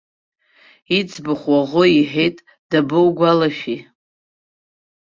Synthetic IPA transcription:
it͡sʰʼbɨχʷwaʁʷʊiħejtʼ | d̥abɨwɡʷalaʃᶣi

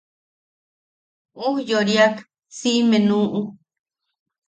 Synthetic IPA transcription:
uhjoɾjak | simenũːʔu

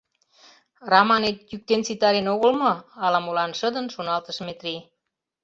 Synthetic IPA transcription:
rɑmɑnet̪̚jyk̚t̪ent͡sit̪ɑɾenoɣəlmɤ̆ɑlɑmolɑnʃəd̪ənʃonɑlt̪əʃmet̪ɾi

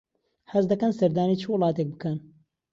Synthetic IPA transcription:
hɐzd̪ɐkɐnsɐɾd̪aːniːt͡ʃʰɨwʊlˠɑːt̪eːk̚bɨkɐn

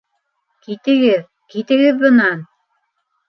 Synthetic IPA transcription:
kit̪ɘ̆ɡɘð | kit̪ɘ̆ɣɘðbɤ̆nɑn

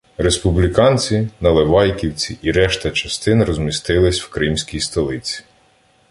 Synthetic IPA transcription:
ɾe̞spublʲikɑnʲt͡sʲinɐlˠeʋɑjkʲiwt͡sʲiʔiɾɛʃt̪ɐt͡ʃɐst̪ɪnɾɔzmʲist̪ɪlˠɪsʲwkɾɪmsʲkʲijst̪ɐlˠɪt͡sʲi̥

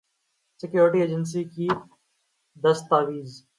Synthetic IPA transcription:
sɪkjoːɾʈiːeːd͡ʒəns̬iːkiː | d̪əst̪aːʋiːz

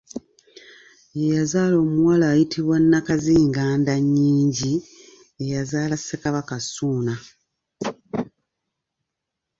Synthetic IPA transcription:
ejazaːlo̞ːmuwalaːjitʰiβwanːakaziːŋɡaːndaɲːiːɲɟi | ejazaːlasːekaβakasuːna

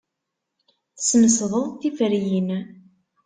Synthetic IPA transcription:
θəsnəsðˤəðˤθifəɾjin

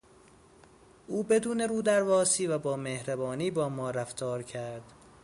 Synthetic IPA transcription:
ʔuːbe̞d̪uːne̞ɾuːd̪æɾvɒːsiːvæbɒːmehɾæbɒːniːbɒːmɒːɾæft̪ʰɒːɾcʰæɾd̪̥

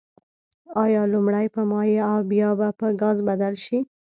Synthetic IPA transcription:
ɑjɑlʊmɽajpəmɑjeawbjɑbapəɡɑzbad̪alʃi

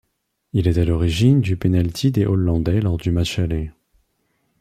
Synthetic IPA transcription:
ilɛt̪alɔʁiʒind̪ypenalt̪ʰid̪eʔɔlːɑ̃d̪ɛlɔʁd̪ymaʃalɛ

